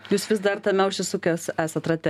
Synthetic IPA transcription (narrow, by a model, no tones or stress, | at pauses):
juːsʋʲɪsd̪ɐrt̪ɐmʲɛʊʃʲɪsʊkʲoːsæːsɐt̪ɾɐt̪ʲɛ